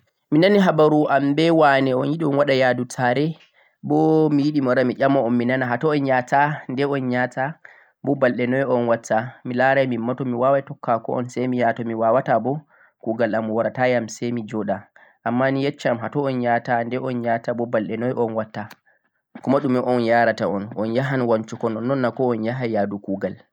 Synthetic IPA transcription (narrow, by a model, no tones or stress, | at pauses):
minaniɦabaɾuʔambɛwanɛɔnjiɗiɔnwaɗajadutʰaɾɛ | bɔmijiɗimaɾamiʄamɔɔmːinanaɦatɔɔnjatandɛɔnɲatʰa | bɔbalɗɛnɔjɔnwatʰːamilaɾajmimːatɔmiwawatɔkːakɔ̰ʔɔ̰nsɛmijatɔmiwawatabɔ | kuɡalamwaɾatajamsɛjmid͡ʒɔɗa | ʔamːanijet͡ʃːamɦatɔɔnɲatandɛʔɔnɲatabɔbalɗɛnɔjʔɔnwatːa | kɔmaɗumiʔɔnjaɾataɔnɔnjaɦanwaɲt͡ʃukɔnɔnːɔnːakɔɔnjaɦajadukuɡal